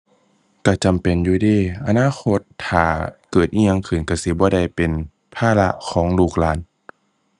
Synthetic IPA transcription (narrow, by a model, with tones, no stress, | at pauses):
ka˧˩t͡ɕa˨mpe˨njuː˧˦diː˧˥˩ʔa˧naː˧˥˨xʰo˧˥t̪ʰːaː˨˩kɤː˨˩t̪̚ʔiː˧ɲa˧ŋkʰɯː˨˩nka˧˩si˧˦bɔː˧˦da˧˩jpe˨n | pʰaː˧˥˨la˧˥ʔkʰɔː˩˦ŋluː˧˩k̚laː˨˦n